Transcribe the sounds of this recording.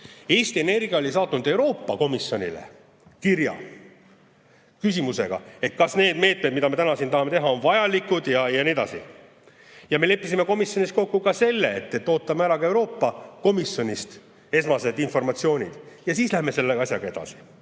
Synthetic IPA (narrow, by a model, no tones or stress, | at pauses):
e̞ːst̪ie̞ne̞rɡ̥iɑo̞lʲis̬ɑːt̪ːˑunud̪̥e̞wɾo̞ːpːɑko̞misjo̞nʲḭlḛ | kirjɑ̰ | kysimuse̞̰ɡ̥ɑ̰e̞t̪̚kɑsne̞ːd̪̥me̞ːt̪med̪mid̪ɑme̞t̪ænɑsint̪ɑɦɑme̞t̪e̞ɦɑo̞nvɑjɑlikːud̪̥jɑjɑnied̪ɑ̰sḭ | jɑme̞le̞pːˑisime̞ko̞misjo̞nʲist̪ko̞kːukɑse̞lːeet̪ːe̞t̪ːˑo̞ːt̪ːˑɑmeæɾɑkɑe̞wɾo̞ːpːɑko̞misjo̞nʲist̪ | e̞smɑse̞d̪info̞rmɑt̪sio̞ːnʲid̪̥jɑsiːslæheme̞se̞lːeɑsjɑɡ̥ɑe̞d̥̪ɑ̰si̥